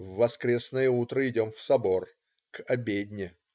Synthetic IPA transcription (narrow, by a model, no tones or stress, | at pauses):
vːɐskɾʲe̞snəjəut̪ɾəɪdʲo̞mfsɐbo̞r | kʰɐbʲedʲnʲɪ